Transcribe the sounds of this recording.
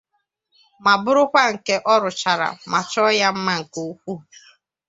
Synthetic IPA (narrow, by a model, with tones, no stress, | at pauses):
ma˨bʊ˦ɾʊ˦kʷa˦ŋ̩˨ke˦ʔɔ˦ɾʊ˨t͡ʃa˨ɾa̰˨ma˨t͡ʃɔ˦ja˦m̩˦ma˦ŋ̩˨ko˨˦u˦kʷu˦